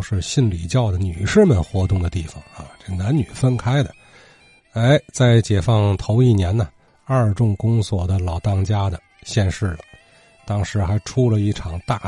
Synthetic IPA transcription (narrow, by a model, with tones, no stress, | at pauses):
ʂɻ̩˥˧ɕi˥˩nli˨˩t͡ɕjɑ˥˩ʊd̪ə˩ny˨˩ʂɻ̩˥˩mə˨nxwɔ˧˥t̪ʊ˥˩ŋd̪ə˩t̪i˥˩fɑ˩ŋa̰˧ʈ͡ʂɤ˥˩ɡə˩na˧˥nny˨˩fə˥nkʰa˥ɪd̪ə˨ | e˥ɪt͡sa˥˩ɪt͡ɕjɛ˨˩fɑ˥˧ŋt̪ʰo˧˥ʊi˥˩njɛ˧˥nə˨ | ɐ˥˧ʈ͡ʂʊ˥˩ŋkʊ˥ŋswɔ˨˩d̪ə˦lɑ˨˩ʊt̪ɑ˥˧ŋt͡ɕja˥d̪ə˨ | ɕjɛ˥˧nʂɻ̩˥˩lə˩ | t̪ɑ˥ŋʂɻ̩˧˥xa˧˥ɪʈ͡ʂʰu˥lə˨i˥˩ʈ͡ʂʰɑ˨˩ŋt̪a˥˩